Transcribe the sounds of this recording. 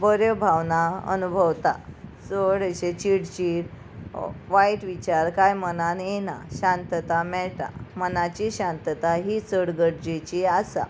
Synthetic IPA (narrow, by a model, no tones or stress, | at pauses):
bəɾebʱaʋnaə̰nubʱəʋt̪at͡səɽəɕet͡ɕiɽt͡ɕiɽ | ʋaiʈʋit͡ɕaɾkajmənanena̰ɕãnt̪t̪amɛɭʈa̰mənat͡ɕiɕãnt̪t̪aɦit͡səɽɡəɽd͡ʑit͡ɕiasa̰